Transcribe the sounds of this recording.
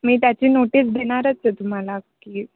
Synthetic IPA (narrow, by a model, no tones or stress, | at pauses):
miːt̪jat͡ɕiːnoʈiːs̬d̪ʱeɽ̃aɾət͡set̪um̤alakiː